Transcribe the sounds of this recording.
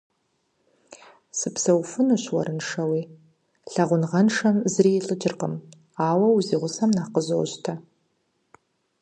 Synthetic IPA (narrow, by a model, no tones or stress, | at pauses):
sɨpʰsawfɨnɨʃʷwaɾɨnʂawi | ɬaʁʷʊnʁanʂamzriɬʼɨd͡ʒɪrqʼəm | aːwɐwuziʁʷʊsamnaqəzo̰wʒtʰa